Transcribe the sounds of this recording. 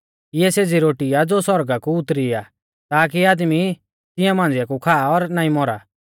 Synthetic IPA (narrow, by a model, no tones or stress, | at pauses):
ɪɛseːd͡ziɾoːʈijad͡zoːsɔɾɡakuʊt̪ɾia | t̪aːk̬iaːd̪mi | t̪ɪ̃jãmãːn̆d͡zɪjakukʰaːɔɾnaːĩmɔɾa̰ː